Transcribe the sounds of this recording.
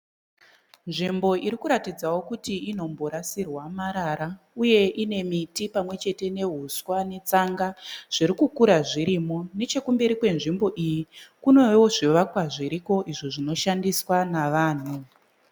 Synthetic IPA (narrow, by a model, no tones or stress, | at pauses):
nʐimbo̞ʔiɾikuɾatid͡zawo̞kutiino̞mbo̞ɾasirwamaɾaɾa | uje̞ʔine̞mitipamwe̞t͡ʃe̞te̞ne̞ɦuswane̞t͡saŋɡaʐ̥iɾikukuɾaʐiɾimo̞ne̞t͡ʃe̞kumbe̞ɾikwe̞nʐimbo̞ʔijikuno̞ewoʐiʋakwaʐiɾiko̞ʔiʐiʐino̞ʃandiswanaʋaːn̤u